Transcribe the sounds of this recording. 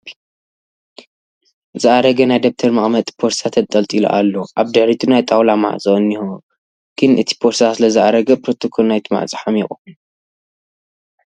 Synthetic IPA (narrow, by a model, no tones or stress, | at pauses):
zɨʔaɾɐɡɐnajd̪ɐb̚t̪ʰɐɾmaχʼmɐt̪ʼpʰoɾsʰat̪ʰɐt̪ʼːɐlt̪ʼilo̰ʔa̰lːoʔaβd̪ɨħɾit̪ʰunajt̪ʼawlama̰ʕt͡sʼoɨniho | kʰɨnʔɨt̪ʰi̥pʰoɾsasɨlɐzɨʔaɾɐɡɐpʰɾo̞t̪ʰokʰo̞lnajt̪ʰɨma̰ʕt͡sʼɨ̥ħamɛχʼo